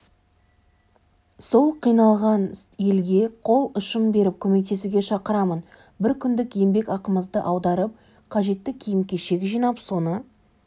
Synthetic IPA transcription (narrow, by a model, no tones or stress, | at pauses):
so̞lˠqʰijnɑlˠʁɑnje̞lɡʲe̞qʰo̞lˠʊʃəmbe̞ɾɪp̚kʲʰɵme̞k̚t̪e̞suɡʲe̞ʃɑqəɾɑmən | bɪɾkʲʰʏnd̪ɪkjembe̞kɑqəməzd̪əʔɑwd̪ɑɾəp̚ | qʰɑʒe̞t̪ːɪkʲʰijɪmkʲe̞ʃe̞kʲʒijnɑpso̞nə